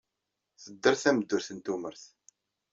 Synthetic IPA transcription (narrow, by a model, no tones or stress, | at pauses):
θəd̪ːəɾθæməd̪ːʊɾθənt̪uməɾθ